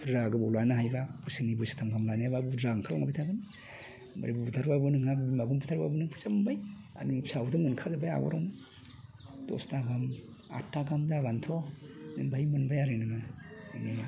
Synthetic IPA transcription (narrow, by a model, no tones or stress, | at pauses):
ɾaɡɯbɔlanaɦajbabusiŋnibusi̥tʰamɡamlaniababuɾaŋkʰalŋabijtʰaɡɯni | ma̰ɾibubutʰaɾbabɯnɯŋabbimaɡumbutʰaɾba̰bɔnɯŋpʰusamɯnbaj | a̰nisʰawdɯŋɯnkʰazabaja̰ɡɔ̰ɾɔm | tɔ̰staɡam | a̰tːaɡamzabantʰɔnɯŋbajmɯnbajaɾenɯŋamani